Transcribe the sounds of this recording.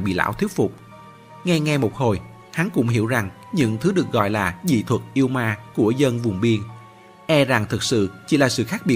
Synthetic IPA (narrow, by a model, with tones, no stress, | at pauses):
ɓḭ˧˨la̰ː˧˥wt̪ʰi˦˥ət̚fʊ˨˩k͡p̚ | ŋa˧jŋa˧jmo˨˩t̚ho˨˩j | ha˨˦nkʊ̰˧˥ŋ͡mhi˧˩əwza˨˩ŋ | ɲɨ̰˧˥ŋt̪ʰɨ˨˦ɗɨ˨˩ək̚ɣɔ̰˧˨jlaː˨˩zḭ˧˨t̪ʰwə˨˩t̚ʔi˧əwmaː˧ku˧˩əzə˧nvʊ˨˩ŋ͡mɓi˧ən | ʔɛ˧za˨˩ŋt̪ʰɨ˨˩k̚sɨ̰˧˨t͡ɕi˧˩laː˨˩sɨ̰˧˨xaː˦˥k̚ɓi˨˩